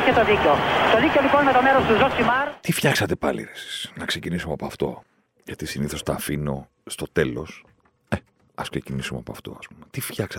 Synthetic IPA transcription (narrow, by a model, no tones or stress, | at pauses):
ket̪o̞ðiceot̪o̞ðiceoliponimet̪o̞meɾost̪uzosimɐɾt̪ifçɐksɐt̪e̞pɐlḭɾesi̥snɐkse̞cinisumeɐpoɐft̪o̞̰ | jʝɐt̪isiniθo̞st̪ɐfino̞ | st̪o̞t̪e̞lo̞s | e | ɐskse̞cinisumeɐpoɐft̪o̞̰ɐ̰spumet̪ifçɐksɐt̪